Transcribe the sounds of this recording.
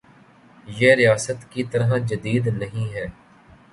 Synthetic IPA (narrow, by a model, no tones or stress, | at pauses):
jeːɾɪjaːsət̪kit̪ɐɾɦãd͡ʒɐd̪iːd̪nɐɦĩɦɛː